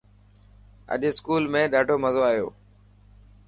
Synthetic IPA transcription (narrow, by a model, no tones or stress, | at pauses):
ə̰ʄskuːlmẽːɗaːɖʱoːməzoaːijo̰ː